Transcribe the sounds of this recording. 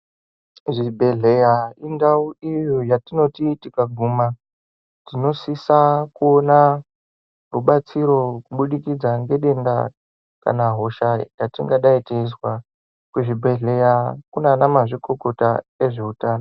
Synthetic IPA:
ʐibʱe̞ɮejaindauijojatino̞titikaɡʱuma | tino̞sisakuona | buɓat͡siɾo̞kuɓuɗikid͡zaŋɡe̞ɗe̞nda̰ | ka̰naɦo̞ʃajatiŋɡaɗaiteiswa | kwuʐibʱe̞ɮe̞jakunanamaʐiko̞ko̞taeʐe̞utaːno

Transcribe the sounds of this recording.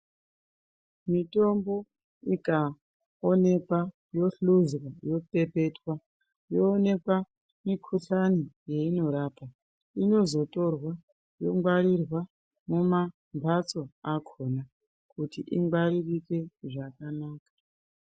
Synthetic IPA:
mito̞mbo̞ | ika | one̞kwa | jo̞ɬuzwajo̞pe̞pe̞twa | jo̞ːne̞kwa | mikʰuɬanije̞ino̞ɾapa | ino̞zo̞to̞rwa | jo̞ŋɡwaɾirwa | muma | mbʱat͡so̞akʰo̞na | kutiʔiŋɡwaɾirike̞ʐakanaːkḁ

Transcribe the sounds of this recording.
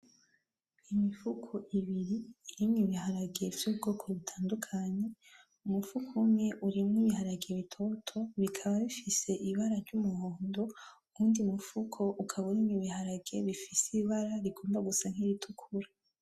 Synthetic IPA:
imifukʰo̞ʔiβiɾiːɾimŋiβiɦaɾaɡe̞vjubɡo̞ːkʰo̞βutʰaːndukʰaɲe̞ | umufukʰumɲe̞ʔuɾimŋiːβiɦaɾaɡe̞βitʰo̞tʰo̞βikʰaβaβifise̞ʔiβaɾaɾɟumuhoːndo̞ | kuːndiumufukʰo̞ʔukʰaβunimiβihaɾaɡe̞βifisiβaɾaɾiɡo̞ːmbaɡusaŋ̥hiɾitʰukʰuɾa

